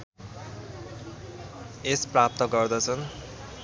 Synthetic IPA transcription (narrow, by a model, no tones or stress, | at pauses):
esprap̚t̪ʌɡʌrd̪ʌt͡sʰʌn